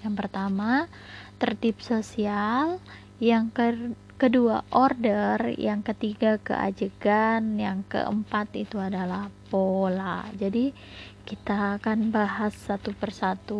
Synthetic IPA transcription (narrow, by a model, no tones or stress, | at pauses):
jaŋpərt̪ama | t̪ərt̪ip̚sosial | jaŋkə | kəduaʔordərjaŋkət̪iɡakə̰ʔa̰d͡ʒəɡanjaŋkə̰ʔə̰mpat̪ḭt̪uadalahpolad͡ʒadi | kit̪akanbaɦasːat̪upərsat̪u